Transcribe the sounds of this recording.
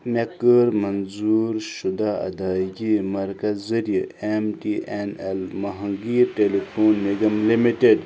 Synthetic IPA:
mekəɾmɐnzuːɾʃud̪aːɐ̰d̪aːjimɐɾkɐzɐɾjiemʈiʔenelmɐɦɐŋɡiːɾʈelifʰoːnːiɡɐmlimiʈeɖ

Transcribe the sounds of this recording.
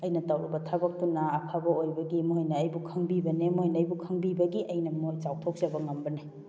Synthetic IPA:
ɐjnɐtawɾubɐtʰabɐk̚tunaːpʰabɐojbɐɡimuhojnɐːjbukʰɐŋbibɐnemuɦjnɐːjbukʰɐŋbibɐɡiʔɐjnɐmojt͡ʃawtʰok̚d͡ʒɐbɐŋɐmbɐne

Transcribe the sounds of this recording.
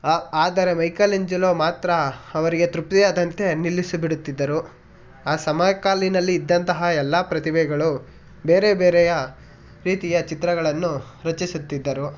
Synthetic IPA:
aːd̪ɐɾe̞mɐjkɐliɲd͡ʒɐloːmaːt̪ɾɐɐʋɐɾiɡe̞t̪ɾup̚t̪ijaːd̪ɐnt̪e̞nilːisubiɽut̪ːid̪ːɐɾu | aːsɐmaːjɐkaːlinɐlːiːd̪ːɐnt̪ɐɦɐɛlːaːpɾɐt̪ibɛɡɐɭu | be̞ːɾe̞beːɾɛjɐ | ɾiːt̪ijɐt͡ʃit̪ɾɐɡɐɭɐnːuɾɐt͡ʃisut̪ːid̪ːɐɾu

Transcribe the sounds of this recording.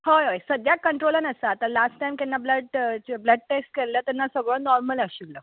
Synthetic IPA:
hojɦojsəd̪jakəɳʈɾolənəsəːt̪alasʈʈajmk̪ɛnːabləɖbləɖ̚ʈeksʈkeɾlət̪ɛnːasəɡɭənɔɾməlaɕilə

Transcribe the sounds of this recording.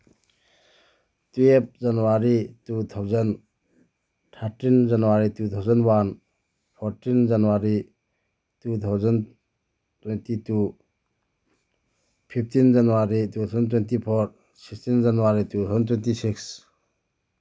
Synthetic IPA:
tuep̚zanuwaɾitut̪ʰawzən | tʰaɾtind͡ʒanuwaɾitut̪ʰawzənwan | pʰɔɾtind͡ʒanuwaɾi | tut̪ʰawzən | twentitu | pʰip̚tind͡ʒanuwaɾitut̪ʰawzənt̬wentipʰoɾ | sikstind͡ʒanuwaɾitut̪ʰazəntwentisiks

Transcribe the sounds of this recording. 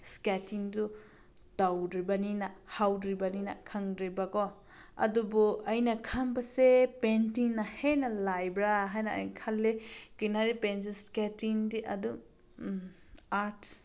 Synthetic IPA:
sketiŋdu | dawdɾibaninahawdɾibanina̰kʰaŋdɾibɐkɔ | ɐ̰dubuɐjnɐkʰambɐsepentiŋnahenɐlajbɾaɦajnɐɐ̰jkʰalːekijnaɾipens̬esketiŋdiʔɐdu | aɾt

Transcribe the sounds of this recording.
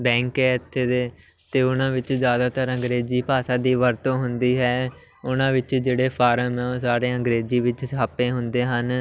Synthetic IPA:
bɛ̃ːŋkɛːɪt̪ʰːeːd̪eː | t̪eːʊnãːʋɪt͡ʃzjaːd̪aːt̪əɾə̃ŋɡɾeːziːpaːsãːd̪iːʋəɾt̪õːɦʊnd̪iːɦɛː | ʊnãːʋɪt͡ʃd͡ʒeːɽeːpʰaːɾəmɛ̃saːɾeːə̃ŋɡɾeːziːʋɪt͡ʃsaːpẽːɦʊnd̪eːɦən

